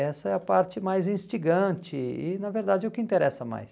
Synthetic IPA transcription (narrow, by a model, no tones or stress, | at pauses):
ɛsɐɛɐpaɾt͡ʃɪmajzĩst͡ʃiɡɐ̃t͡ʃɪɪnɐveɾd̪ad͡ʒɪɛʊkɪĩnt̪eɾɛsɐma̰js